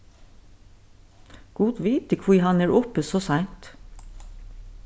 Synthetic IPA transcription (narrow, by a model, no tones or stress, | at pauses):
ɡ̥uːt̪ʋiːt̪əkʰʋiːhɑnæːɹʔɔpəsoːsæɪnt̪